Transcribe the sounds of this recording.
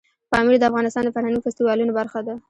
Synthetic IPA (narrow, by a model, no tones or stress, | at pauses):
pɑmiɾd̪əafɣɑnɪst̪ɑnd̪əfaʈanifast̪iwɑlunobaɾxad̪a